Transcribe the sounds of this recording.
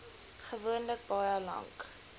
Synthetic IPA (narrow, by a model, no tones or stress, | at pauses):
χəvuənlək̚bɑjəlɐ̰ŋk